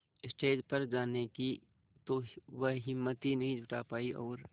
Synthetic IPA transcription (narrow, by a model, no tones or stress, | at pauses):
ɪsʈeːd͡ʒpɐɾd͡ʒaːneki | t̪oʋɐɦɦɪmːət̪inɐɦĩd͡ʒʱʊʈapaːiʔɔ̰ːɾ